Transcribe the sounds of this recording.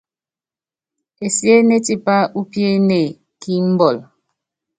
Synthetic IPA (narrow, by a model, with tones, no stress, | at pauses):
e˨sje˦ne˦ti˦˨pa˦ʔu˦pje˦ne˨ | ki˦m̩˦bɔ˨l